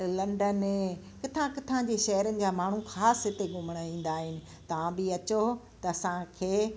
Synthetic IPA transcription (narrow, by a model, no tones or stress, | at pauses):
lɐ̃ɳɖəne | kɪt̪ʰãkɪt̪ʰãd͡ʑeʃɐɦəɾənɪ̆d͡ʑaːmaːɳ̤uxaːsɦɪt̪eɡʊməɽ̃əĩːn̆d̪aːɦɪnɪ̆ | t̪ɐʋãbɪɐt͡ɕo | t̪ɐɐsãkʰeː